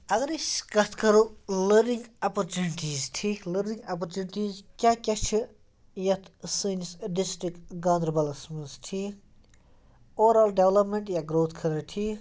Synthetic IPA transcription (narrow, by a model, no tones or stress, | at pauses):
ɐɡɐɾiskɐt̪ʰkɐɾuləɾniŋɡɐpɐɾt͡ʃuniʈiːzt̪ʰiːləɾnĩŋɡɐpɐɾt͡ʃunʈiːzkʲaːkʲɐt͡ʃʰi | jɐt̪ʰsɨːnisɖisʈɾikɡãːnd̪ɾbɐlɐsmɐnst̪ʰi | oːɾalɖeʋlɐpmeɳʈjaɡɾoːt̪ʰkʰɐɾɐt̪ʰi